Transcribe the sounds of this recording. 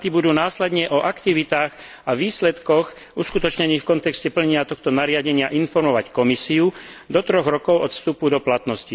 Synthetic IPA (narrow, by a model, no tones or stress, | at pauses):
t̪ibud̪uːnaːslɛd̪ɲɛʔɔʔakt̪iʋit̪aːɣ | aʋiːslɛt̪kɔx | uskut̪ɔt͡ʃɲɛniːxfkɔnt̪ɛkscɛpl̩ɲɛɲɪat̪ɔxt̪ɔnaɾɪaɟɛɲɪaʔinfɔɾmɔʋackɔmisiud̪ɔt̪ɾɔɣɾɔkɔʊɔt̪fst̪upud̪ɔplat̪nɔsci